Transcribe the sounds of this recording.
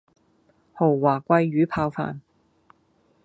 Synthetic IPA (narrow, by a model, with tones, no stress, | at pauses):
ho˨˩wwaː˨˩kʷɐ˧jːyː˨˥pʰaː˧wfa̰ː˨n